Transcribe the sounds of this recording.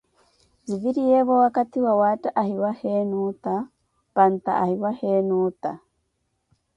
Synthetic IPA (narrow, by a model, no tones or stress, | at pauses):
ziviɾijeβowakat̪iwawaːtaʔahiwahenut̪a | b̥ant̪a̰ahiwahenuːt̪a̰